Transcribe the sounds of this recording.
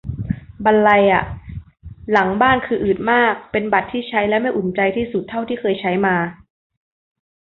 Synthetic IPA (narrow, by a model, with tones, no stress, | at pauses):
ba˧nla˧jʔa˨˩ | la˩˦ŋbaː˥˩nkʰɯː˧ʔɯː˨˩t̪̚maː˥˩k̚pe˧nba˨˩t̪ʰːiː˥˩t͡ɕʰa˦˥jlɛː˦˥wma˥˩jʔu˨˩nt͡ɕa˧jt̪ʰiː˥˩su˨˩t̪ʰːa˥˩wt̪ʰiː˥˩kʰɤː˧jt͡ɕʰa˦˥jmaː˧